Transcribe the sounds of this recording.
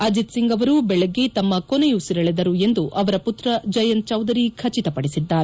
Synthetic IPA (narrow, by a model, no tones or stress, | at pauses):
ɐd͡ʒit̪siŋɡɐʋɐɾubɛɭeɡːe̞t̪ɐmːɐkonejusiɾɐɭed̪ɐɾue̞nd̪uʔɐʋɐɾɐput̪ɾɐd͡ʒɐjɐn̚t͡ʃɐwd̪ɐɾikʰɐt͡ʃit̪ɐpɐɽisid̪ːaːɾe